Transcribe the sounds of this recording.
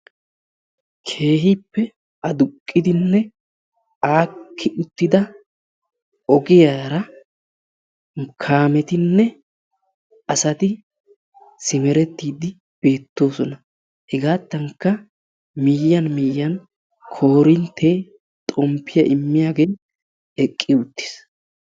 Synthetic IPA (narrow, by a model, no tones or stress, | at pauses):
kʰe̞ːɦiːpːɛ | ɐd̪ʊkʼːɪd̪ɪnːɛ | aːkʰːɪʊt̪ːɪd̪ɐ | ɔɡɪjaːɾɐ | kʰaːmɛt̪ɪnːɛ | ɐsɐt̪ɪ | sɪmɛɾɛt̪ːiːd̪ɪ | b̥e̞ːt̪ːo̞ːsɔnɐ | hɛɡaːt̪ːɐŋkːɐ | miːjːɐnmiːjːɐn | kʰo̞ːɾɪnt̪ʰːeː | t̪ʼɔmpːɪjɐʔɪmːɪjaːɡe̞ː | ɛkʼːɪʊt̪ːɪ̥s